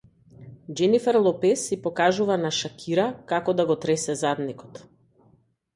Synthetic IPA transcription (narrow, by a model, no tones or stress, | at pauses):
d͡ʒɛnifɛɾlˠɔpɛsipɔkaʒuvanaʃakʲʰiɾakakɔd̪aɡɔt̪ɾɛsɛzad̪nikɔ̥t̪